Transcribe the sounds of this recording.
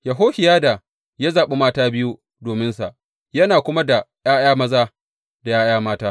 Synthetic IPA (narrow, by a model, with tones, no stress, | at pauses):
ja˨ɦoː˦hɪ˨jaː˦da˨ | ja˦zaː˨ɓe˦maː˦taː˦bɪ˦ju˦ | doː˨mɪ˦nsa˨ʔ | jɐ˦naː˨kʷʊ˦ma˦da˨jaː˦j̰aː˦mɐ˦zaː˦ | da˨jaː˦j̰aː˦maː˦taː˦